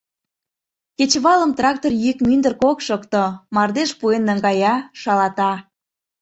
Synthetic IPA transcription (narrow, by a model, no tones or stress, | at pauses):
ket͡ɕβɑləmt̪rɑk̚t̪orjykmynd̪ərkokʃəkt̪omɑrd̪eʃpuenːə̆ŋɡɑjɑʃɑlɑt̪ɑ